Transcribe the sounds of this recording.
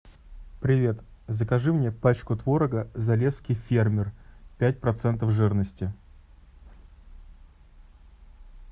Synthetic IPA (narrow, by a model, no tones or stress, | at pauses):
pɾʲɪvʲe̞t̪zəkɐʐɨmnʲepat͡ɕkʊt̪vo̞ɾəɡəzɐlʲeskʲɪjfʲermʲɪrpʲæt̚ʲpɾɐt̪sɛnt̪̬əfʐɨrnəsʲtʲɪ